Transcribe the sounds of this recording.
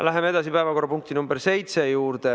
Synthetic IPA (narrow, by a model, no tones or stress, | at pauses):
læɦe̞me̥ɑs̬ipæevɑko̞rːɑpuŋk̚t̪inumberse̞jt̪se̞juːrd̪̥e